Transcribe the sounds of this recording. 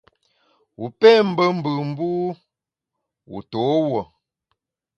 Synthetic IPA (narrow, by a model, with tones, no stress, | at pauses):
wu˨pɛ˦m̩˦bə˦m̩˦bɨ˨m̩˦buː˦ | wṵ˨to˨˦wɔ˨